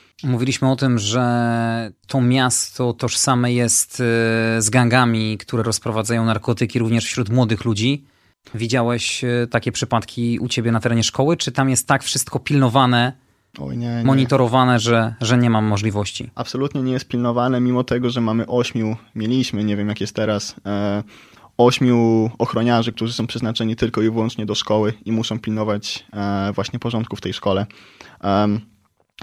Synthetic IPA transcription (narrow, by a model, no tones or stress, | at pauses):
muvʲilʲiɕmɘɔt̪ɘmʐɛ | t̪ʰɔmʲjast̪ɔt̪ɔʂsamɛjɛst̪zɡaŋɡamʲikt̪uɾɛɾɔspɾɔvad̪zajɔ̃w̃naɾkɔt̪ɘkʲiɾuvɲɛʂfɕɾut̪mwɔd̪ɘxlud͡ʑi | vʲid͡ʑawɛɕt̪akʲɛpʂɘpat̪kʲiṵt͡ɕebʲjɛnat̪ɛɾɛɲɛʂkɔwɘt͡ʂɘt̪amjɛst̪ːakfʂɘst̪̚kɔpʲilnɔvanɛ | ɔ̰jɲɛmɔɲit̪ɔɾɔvanɛʐɛʐɛɲɛmamːɔʐlʲivɔɕt͡ɕḭapsɔlut̪ɲɛɲɛjɛst̪̚pʲilnɔvanɛmʲimɔt̪ɛɡɔʐɛmamɘʔɔɕmʲjumʲjelʲiɕmɘɲɛvʲjɛmjakʲjɛst̪t̪ːɛɾas | ɔɕmʲuɔxɾɔɲaʐɘk̚t̪uʐɘsɔ̃w̃pʂɛznat͡ʂɛɲit̪ɘlkɔivwɔnt͡ʂɲɛd̪ɔʂkɔwɘimuʂɔ̃w̃pʲilnɔvat͡ɕvwaɕɲɛpɔʐɔnt̪kuft̪ɛjʂkɔlɛ